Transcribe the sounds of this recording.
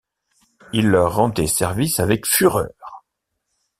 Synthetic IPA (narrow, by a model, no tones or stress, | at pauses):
ilːœʁːɑ̃d̪ɛsɛʁvisavɛkfyʁœ̰ːʁ